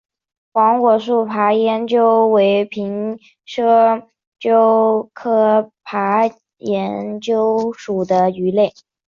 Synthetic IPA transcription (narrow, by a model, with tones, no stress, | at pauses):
xwɑ˧˥ŋkwɔ˨˩ʂ̬u˥˩pʰa˧˥jɛ˧˥nt͡ɕjo˥ʊwe˧˥ɪpʰi˧˥ŋ | ʂɤ˥ | t͡ɕjo˥ʊkʰɤ˥pʰa˧˥ | jɛ˧˥nt͡ɕjo˥ʊʂu˨˩d̪ə˦y˧˥le˥˩ɪ